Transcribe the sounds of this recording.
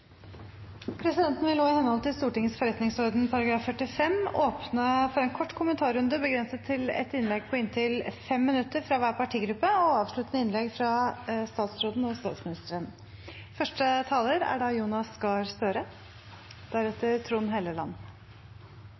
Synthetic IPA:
pʰɾɛsɪd̪ɛnt̪nʋɪloːɪhɛnəhɔlt̪ʰɪlst̪uːʈɪŋːəsfɔɾɛt̪nɪŋsɔɾd̪npʰɑɾɑɡɾɑːfːœʈɪfɛmoːpnəfɔɾɛːnkʰɔʈːkʰʊmənt̪ʰɑːɾʉnd̪əbəɡɾɛnsət̪ʰːɪlɛ̰t̪ɪnlɛɡ̚pʰɔɪnt̪ʰɪlfɛmːɪnʉt̪ːəɾfɾɑʋæːɾpɑʈʰiːɡɾʉpːəɔɑːʋʂɭʉt̪ənəɪnlɛɡfɾɑst̪ɑːt̪sɾoːd̪n̩ɔst̪ɑ̰ːt̪smɪnɪst̪əɾən | fœʂʈət̪ʰɑːləɾæ̰ɖɑjuːnɑskɑːɾst̪øːɾə | d̪̥æɾɛt̪əɾt̪ʰɾuːnɦeːləlɑ̰nː

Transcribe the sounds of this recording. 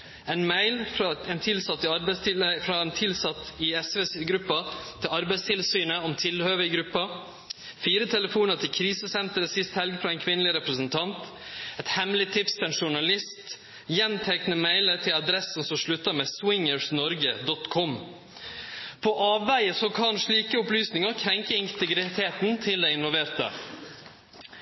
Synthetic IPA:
ɛɪnmæɪlfɾɑɛnt̪ʰɪlsɑt̪ːɪɑɾbɛst̪ʰɪlfɾɑɛnt̪ʰɪlsɑt̪ːɪɛsʋeːsɪɡɾʉpːɑːɪlɑɾbæɪst̪ʰɪlsyːnəɔmt̪ʰɪlhøːʋəɪɡɾʉpːɑ | fiːɾət̪ʰɛləfuːnəɾt̪ʰɪkʰɾiːsəsɛnt̪əɾəsɪst̪hɛlɡfɾɑɛɪnkʰʋɪnəlɪɾɛpɾəsənt̪ʰɑnt̪ɛt̪hɛmlɪt̪ʰɪpst̪ʰɛnʂʊɳɑlɪst̪ | jɛnt̪ʰæɪknəmæɪlət̪ʰɪlɑd̪ɾɛsn̩sɔmʂɭʉt̪ːɑmeːswɪŋəsnɔɾɡəd̪ɔt̪kʰɔm | pʰɔʔɑːʋːæɪəsɔkʰɑnʂɭiːkəʊplyːsnɪŋəɾkʰɾɛŋkəɪnt̪əɡɾɪt̪ʰeːt̪n̩t̪ʰɪld̪æɪɪnʋɔlʋeːɾt̪ə̰

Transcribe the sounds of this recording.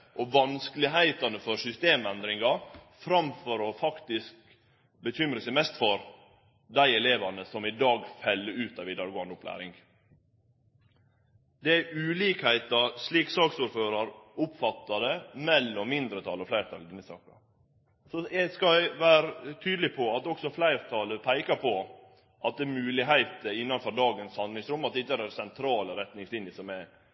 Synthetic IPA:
ʔɔʋɑnskəlɪɦæɪt̪ɑnəfɔɾsʏst̪eːmɛnd̪ɾɪŋɡɑfɾɑmfɔɾɔfɑkt̪ɪsk | bəçʏmɾəsəmɛst̪fɔɾ | d̪æɪɛleːʋɑnəsɔmɪd̪ɑːɡfɛlːəʉːt̪ɑʋɪd̪ɑːɾɡoːɑnd̪ʊplæ̰ːɾɪ̰ŋɡ | d̪ɛæʔʉːliːkhæɪt̪ɑsliːksɑːksuːɾføːɾɑɾʊpfɑt̪ːɑd̪ɛmɛlːɔmːɪnd̪ɾət̪ʰɑlɔflæɪɾt̪ʰɑ̰ld̪ɪnːəsɑ̰ːkɑ | sɔjɛskɑʋæːɾət̪ʰyːd̪lɪpʰɔɑt̪d̪ɔksɔflæɪɾt̪ʰɑːləpʰæɪkɑpʰɔ | ʔɑt̪̚d̪ɛːmʉːlɪɦæɪt̪əɪnːɑnfɔɾɖ̪ɑːɡənshɑnlɪŋsɾʉmːɑt̪̚d̪ɛɪt̪ːæɾæsɛnt̪ʰɾɑːləɾɛt̪nɪŋslɪnɪəsɔmɛ

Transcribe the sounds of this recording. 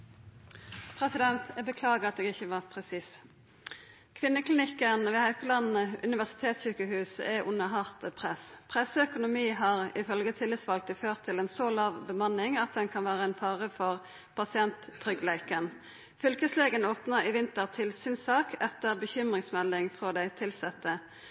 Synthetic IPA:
pʰʁɛsɪd̪ɛnt̪ʰbəkʰlɑːɡəʁɑt̪̚eːɡɪçəʋɑːʁpʰʁɛsiːs | kʰʋɪnːəkʰlɪnɪkːənʋɛːhæʉkəlɑnn̩əʉnɪʋæʁsɪ̥t̪ʰeːt̪sɕyːkəhʉːsɛʔʊnːəɦɑʁt̪əpʰʁɛspʰʁɛsəœkʊnʊmiːɦɑʁɪfœlɡət̪ʰɪlːɪt̪sʋɑlk̚t̪ɪføːʁt̪ʰːɪlɛnsolɑːʋbəmɑnːɪŋɑt̪̚d̪ɛnkʰɑnʋæːʁəɛnfɑːʁəfɔʁ | pʰɑsɪɛnt̪ʰːʁʏɡlæɪkən | fʏlkəsleːɡənoːpnəʁɪʋɪnt̪əʁt̪ʰɪlsyːnsɑːkɛt̪əʁbəçʏmʁɪŋsmɛlːɪŋfʁod̪æɪt̪ʰɪlsɛt̪ːə

